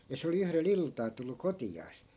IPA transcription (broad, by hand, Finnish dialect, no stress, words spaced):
jɑ se oli yhrel iltɑː tulːu kotiɑːs